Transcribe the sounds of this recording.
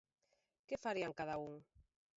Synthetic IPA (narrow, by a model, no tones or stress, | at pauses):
kɪfaɾiaŋkaðauŋ